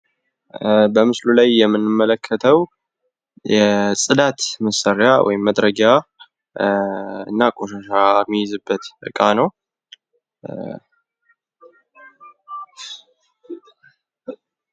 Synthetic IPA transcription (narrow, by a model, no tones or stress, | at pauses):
bəmɨslulajːɛmːɨnːɨmːələkʰːət̪ʰəw | jɛsʼɨd̪at̪məsəɾjawʔɔ̰jɪmːəd̪ɾəɡa | ɨ̰nːakʼoʃaʃamːijɪzɨbːət̪bɨkʼːanəw